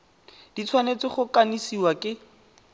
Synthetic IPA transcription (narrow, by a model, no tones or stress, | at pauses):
d̥it͡sʰwanet͡sɪχʊkanisiwakʼɪ